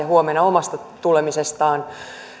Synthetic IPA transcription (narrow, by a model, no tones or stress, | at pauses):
ɑɦuomenːɑo̞mɑst̪ɑt̪ulemisest̪ɑːn